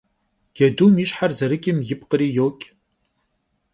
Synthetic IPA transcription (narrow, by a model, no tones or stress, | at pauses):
ɡ̥ɛduːmɪʃħarzɐɾɨkʲʼɪmjɪpqəɾiːjoːkʲʼ